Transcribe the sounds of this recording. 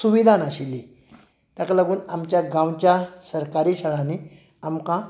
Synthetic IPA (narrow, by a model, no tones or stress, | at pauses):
suʋid̪ʱanaɕili | t̪jakləɡuːnamt͡ɕjaɡãwt͡ɕjasəɾkaɾiɕəɭani | amkã